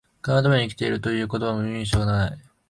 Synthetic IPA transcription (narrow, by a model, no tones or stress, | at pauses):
kanad̪amaɲikʲi̥t̪e̞iɾɯ̟t̪o̞jɯ̟ːko̞t̪o̞βamɯ̟ĩɰ̃ɕo̞ːnai